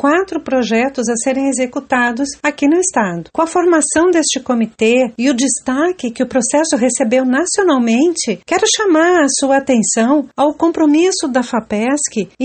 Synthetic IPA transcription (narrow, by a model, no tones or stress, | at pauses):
kwat̪ɾʊpɾoʒɛt̪ʊzɐseɾẽj̃ezekut̪ad̪ʊsakinʊɪst̪ad̪ʊkõɐfoɾmasɐ̃w̃d̪est͡ʃɪkomit̪eɪʊd͡ʒɪst̪akɪkɪʊpɾosɛsʊɦesebewnasionawmẽnt͡ʃɪkɛɾʊʃamaɾɐsuɐat̪ẽsɐ̃w̃awkõpɾomisʊd̪ɐfapɛskɪ